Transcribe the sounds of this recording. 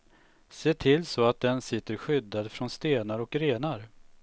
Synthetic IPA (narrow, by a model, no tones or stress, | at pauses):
seːʈʰɪlsɔat̪̚d̪ɛnsɪt̪ːəɾɧʏd̪ːad̪fɾɔnst̪eːnaɾɔkɾeːnaɾ